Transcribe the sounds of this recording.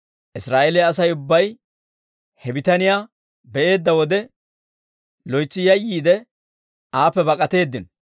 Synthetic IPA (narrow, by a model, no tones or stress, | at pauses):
ʔɪsɾaːʔelɪɐs̬ɐjʊbːɐj | hɛbɪt̪ɐnɪjaː | bɛʔe̞ːd̪ːɐwɔd̪ɛ | lɔjt͡sːɪjɐjːiːd̪ɛ | aːpːɛbɐkʼɐt̪e̞ːd̪ːɪn